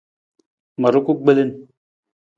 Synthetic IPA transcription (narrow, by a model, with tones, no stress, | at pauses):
mɐ˨ɾu˦ku˦k̚ɡ͡be˦lɪ˦n